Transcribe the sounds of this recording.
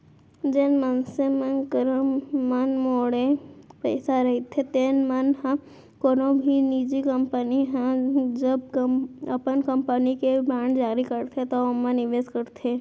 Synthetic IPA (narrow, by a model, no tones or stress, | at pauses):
d͡ʒeːnmənsemənkəɾomɐnmoːɽepəːsaɾɐɦit̪ʰet̪eːnmənɦɛ̃ | koːnobʱiniːd͡ʒikəmpəniɦɛ̃d͡ʒəbkɐ̰pənkə̃mpənikebaːɳd͡ʒaːɾikəɾt̪ʰet̪omːãnɪʋeːd͡ʒkəɾt̪ʰeː